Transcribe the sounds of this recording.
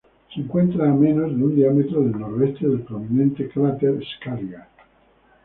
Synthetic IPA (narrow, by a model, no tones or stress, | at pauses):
siŋkwent̪ɾaːmenozd̪und̪iamet̪ɾod̪elnoɾd̪ɛst̪ed̪elpɾominɛnt̪ekɾat̪eɾskaɾɡa